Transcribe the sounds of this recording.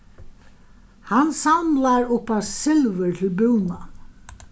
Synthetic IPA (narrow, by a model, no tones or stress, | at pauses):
hanːsamlaɾʊhpasɪlvʏɹt̪ʰɪlbuwna